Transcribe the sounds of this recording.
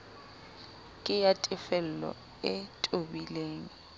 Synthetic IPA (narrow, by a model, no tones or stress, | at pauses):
kʼɪjatʼɪfɛl̩lɔ̰ | ɪtʼobileːŋ̩